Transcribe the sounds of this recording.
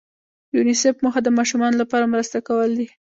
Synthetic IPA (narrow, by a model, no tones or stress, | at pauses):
junisefməxad̪əmɑʃumɑnolapɑɾamɾəst̪akawəld̪i